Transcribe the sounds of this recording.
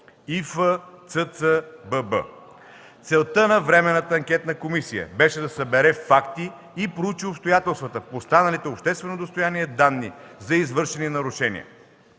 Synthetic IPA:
ifət̪sət̪səbəbə̰ | t̪sɛlˠt̪ənɐvɾɛmɛnːət̪əɐŋkʲɛt̪nɐkomisijə̰bɛʃɛd̪ɐsɐbɛɾɛfakt̪iː | pɾout͡ʃiopst̪ojat̪ɛlˠst̪vət̪əfpost̪anəlit̪ɛopʃt̪ɛst̪vɛnod̪ost̪oʊjaniɛd̪anːḭzɐizvɤɾʃɛninɐɾʊʃɛnḭə̰

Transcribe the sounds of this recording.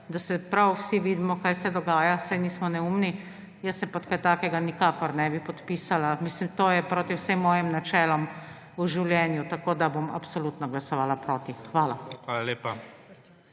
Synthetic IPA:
d̪asɛpɾawwsiʋiːd̪mɔkaːjsɛd̪ɔɡaːjasajniːsmɔnɛumni | jəsɛpɔt̪kat̪aːkɛɡanikaːkɔɾnɛbipɔt̪piːsalamislimt̪oːjɛpɾoːt̪iwsemːɔːjimnat͡ʃɛːlɔm | uʒiwljɛːnjut̪akoːd̪aboma̰psolut̪nɔɡlasɔʋaːlapɾoːt̪ixʋaːlaxʋaːlaleːpa

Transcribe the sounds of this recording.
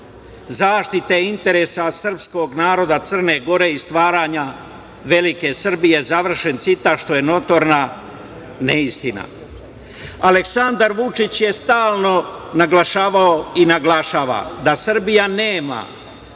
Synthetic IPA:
zaːʃt̪it̪eint̪e̞ɾe̞sasr̩psko̞ɡnaːɾo̞d̪at̪sər̩ne̞ɡo̞ɾe̞ist̪ʋaːɾaɲa | ʋe̞like̞sr̩bije̞zaʋr̩ʃe̞nt̪sit̪aʃt̪o̞je̞no̞t̪o̞ɾna | neist̪ina̰ | aleksand̪aɾʋut͡ʂit͡ɕje̞st̪aːlˠno̞naɡlaʃaːʋaoinaɡlaʃaːʋa̰d̪asr̩bijaneːma̰

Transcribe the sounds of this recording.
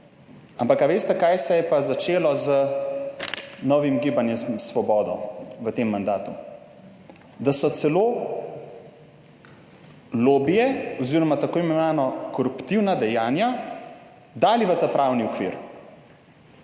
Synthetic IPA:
ampakaʋeːst̪ɛkajsɛjɛpazat͡ʃeːlɔzə | nɔʋimɡiːbanjɛmsʋɔbɔːd̪ɔʋət̪emːand̪aːt̪u | d̪asɔt̪sɛloː | lobijɛɔziɾɔmat̪akoːimɛnaːnɔkɔɾupt̪iwnad̪ɛjaːnja | d̪aːliʋət̪apɾawniɔkʋḭɾ

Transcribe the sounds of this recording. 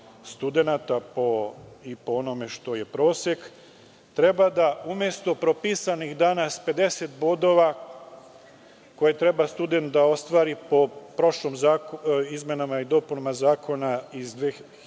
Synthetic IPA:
st̪ud̪e̞nat̪apo̞ipoono̞me̞ʃt̪o̞je̞pɾo̞ːsek | t̪ɾe̞bad̪aumje̞st̪o̞pɾopisanixd̪anaspe̞d̪e̞se̞t̪̚bo̞d̪o̞ʋa | ko̞jet̪ɾe̞bast̪ud̪e̞nt̪d̪ao̞st̪ʋaːɾipo̞pɾo̞ʃlomzaːkizmjenamaid̪o̞punomazaːkʰo̞naizd̪ʋeː

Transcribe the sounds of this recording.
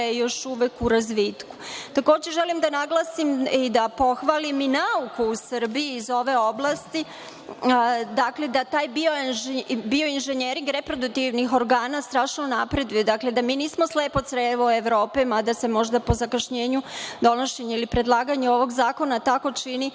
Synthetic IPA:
jejo̞ʃuʋekuɾazʋit̪ku̥t̪ako̞ːd͡ʑeʒelimd̪anaɡlˠasimid̪apo̞xʋaːliminaukuusr̩biiːzo̞ʋe̞o̞blˠaːst̪i | d̪akled̪at̪aːjbiobio̞inʒeɲeɾiŋɡɾe̞pɾo̞d̪uk̚t̪iʋnixo̞ɾɡaːnast̪ɾaːʃnonapɾe̞d̪ujed̪akle̞d̪amiːniːsmo̞sleːpo̞t̪sɾeʋoeʋɾo̞ːpɛmad̪ase̞mo̞ʒd̪apo̞zakaʃɲeːɲud̪o̞no̞ʃeɲailipɾe̞d̪lˠaːɡaɲeo̞ʋo̞ɡzaːko̞nat̪ako̞t͡ʃini

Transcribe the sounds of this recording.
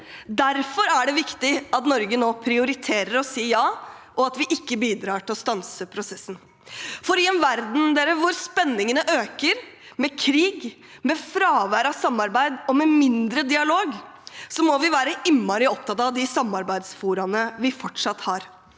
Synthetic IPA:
d̪æɾfɔɾæɖɛʋɪkt̪ɪɑt̪nɔɾɡənoːpʰɾɪʊɾɪt̪ʰeːɾəɾɔsiːjɑːʔɔɑt̪ʋɪʔɪkːəbiːd̪ɾɑːʈɪlɔst̪ɑnsəpʰɾʊsɛsːən̩ | fɔɾɪɛnʋæɾd̪n̩d̪eːɾəʋʊɾspɛnːɪŋənəʔøːkəɾmɛkʰɾiːɡ | mɛfɾɑːʋæːɾɑsɑmːɑɾbæɪd̪ɔmɛmɪnd̪ɾəd̪ɪɑloːɡ | sɔmɔʋɪʋæːɾəʔɪmːɑɾɪɔp̚t̪ʰɑt̪ɑʋd̪ɪsɑmːɑɾbæɪd̪sfuːɾɑnəʋɪfɔʈʂɑt̪hɑːɾ

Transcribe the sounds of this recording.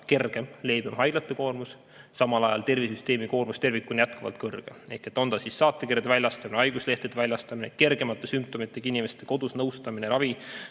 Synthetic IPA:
ke̞rɡ̥e̞mle̞ːbemɦɑjd̥lɑt̪ːˑeko̞ːrmus | sɑmɑlɑjɑ̰lt̪e̞rvisyst̪e̞ːmiko̞ːrmust̪e̞rvikːˑunjæt̪̚kuvɑ̰lt̪̚kɤrɡ̥ee̞ht̪ˑe̞t̪ːˑo̞nd̪ɑsisːɑːt̪ːˑekeɾjɑd̪evælʲːɑst̪ɑmineɑjɡusle̞ht̪ed̪̥eælʲɑst̪ɑmineke̞rɡ̥e̞mɑt̪ːˑesymp̚t̪o̞mit̪ˑːeɡ̥inime̞st̪e̞ko̞d̪̥usnɤwst̪ɑmineɾɑvi

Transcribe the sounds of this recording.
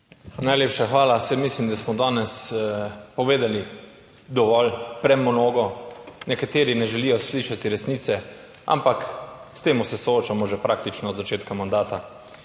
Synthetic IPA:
najleːpʃaxʋaːlasɛmislimd̪asmɔd̪aːnɛs | pɔʋeːd̪ali | d̪ɔʋɔlpɾɛmɔnoːɡɔnɛkat̪eːɾinɛʒɛlijɔsliːʃat̪iɾɛsniːt̪sɛ | ʔa̰mpakst̪eːmusɛsɔoːt͡ʃamɔʒɛpɾaːkt̪it͡ʃnɔzat͡ʃeːt̪kamand̪aːt̪a

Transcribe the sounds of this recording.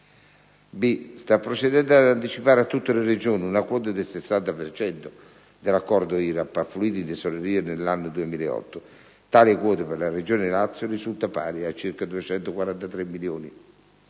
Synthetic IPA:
bist̪apːɾot͡ʃɛd̪ɛnd̪ad̪ant̪it͡ʃipaːɾat̪ːut̪ːelɪred͡ʒoːniunakwɔːt̪̬ad̪ɪlsɪsːant̪apert͡ʃɛnt̪ʊ | d̪ɪlakːɔrd̪ʊiːɾapːafːluiːt̪ind̪ɪsoleɾiːanelːanːʊd̪uemiːlɛ̰ɔ̰t̪ːʊ | t̪aːlikwɔːt̪ɪperlared͡ʒoːnɪlat̪sːjʊrisult̪apa̰ːɾiat͡ʃːirkad̪uet͡ʃɛnt̪ʊkwaɾant̪at̪ɾemːiljoːni

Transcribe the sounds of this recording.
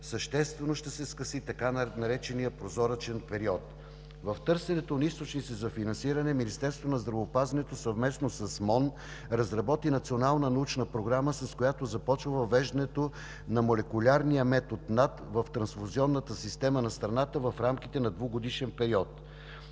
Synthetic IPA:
səʃt̪ɛst̪vɛnoʃt̪ɛsɛskəsit̪ɐkanɐɾɛt͡ʃɛnijəpɾozɔɾət͡ʃɛnpɛɾiɔt̪ | vɐft̪ɤɾsɛnɛt̪onist̪ot͡ʃnisɛzɐfinɐnsiɾɐnɛminist̪ɛɾst̪vonɐzd̪ɾɐvoːpazɐnɛt̪osɐvmɛsnosɐsmɔn | ɾɐzɾɐbɔt̪inɐt̪sionalˠnənɐut͡ʃnəpɾoɡɾaməsɐskojat̪ozɐpɔt͡ʃvəvɐvːɛʒd̪ɐnɛt̪o | nɐmolɛkʊlʲaɾnijəmɛt̪ot̪nat̪vɐft̪ɾɐnsfoziɔnːət̪əsist̪ɛmənɐst̪ɾɐnat̪əvɐfɾamkit̪ɛnɐd̪voɡod̪iʃɛnpɛɾiɔt̪

